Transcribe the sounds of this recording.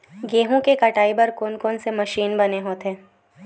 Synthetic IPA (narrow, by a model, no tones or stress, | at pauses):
ɡeːɦõkekɐʈaːibɐɾkoːnkoːnsemɐʃiːnbɐneɦoːt̪eː